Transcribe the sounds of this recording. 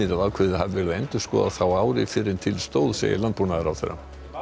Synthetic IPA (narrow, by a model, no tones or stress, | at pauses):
ɪɾaðaːkʰvɛðɪhavɪvɛːɾðɛnt̪ʏ̥skɔ̰ːðaθawaːwɾɪfɪɾɪnt̪ʰɪlst̪oːwðsḛːjɪ̰lant̪̚punaðɪɾawθḛɾːa̰